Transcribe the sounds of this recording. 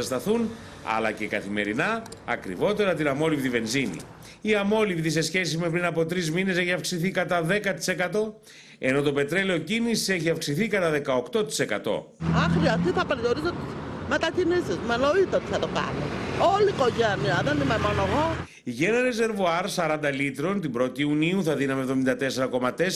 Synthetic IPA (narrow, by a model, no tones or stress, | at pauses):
st̪ɐθun | ɐ̰lɐ̰ce̞kɐθime̞ɾinɐ̰ːkɾḭvo̞t̪e̞ɾɐt̪inɐmo̞livðive̞nzinḭ | iɐmo̞livðise̞sçe̞s̬izme̞pɾinɐpo̞t̪ɾizmine̞se̞çiɐfksiθikɐt̪ɐðe̞kɐt̪i̥se̞kɐt̪o̞ | e̞no̞t̪o̞pe̞t̪ɾe̞leo̞cinisise̞çiɐfksiθikɐt̪ɐðe̞kɐo̞kt̪o̞t̪i̥se̞kɐ̰t̪o̞̰ | ɐxɾiɐst̪iθɐpeɾioɾisot̪ismet̪ɐcinisizmenoit̪ot̪i̥θɐt̪okɐ̰noolikoʝɐniɐðenimemonoeɣo̞ | ʝeneɾeze̞ɾvoɐɾsɐɾɐnd̪ɐlit̪ɾo̞nt̪ibɾo̞t̪iuniuθɐðinɐmevðo̞mind̪ɐt̪e̞se̞ɾɐko̞mɐt̪e̞s